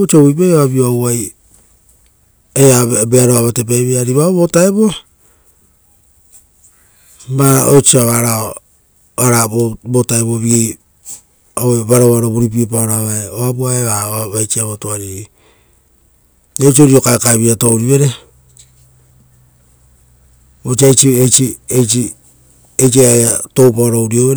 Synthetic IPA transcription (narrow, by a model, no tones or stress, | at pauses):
ot͡ʃoβipajoaβioawaj | eabeaɾoaβatep̬ajβeaɾiβaoβotaeβo | maot͡ʃiaβaɾa | aɾaobotaeβoβiɡe | oweβaɾoβaɾoβuɾip̬ipaoɾaβaeoapuaeβaβaβajt͡ʃiaβotoaɾie | et͡ʃioɾiokaekaβiatowɾiβe̞ɾe | ot͡ʃiajt͡ʃiet͡ʃiet͡ʃi | et͡ʃiaatowpaɾowɾioβeɾ